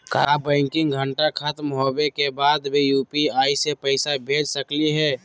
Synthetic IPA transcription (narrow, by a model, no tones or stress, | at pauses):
kabə̃ɪŋkɪŋɡɡʱəɳʈakʰət̪mɦobekebaːd̪bijuːpiaːisepəɪsabʱeːd͡ʒsəkliɦɛː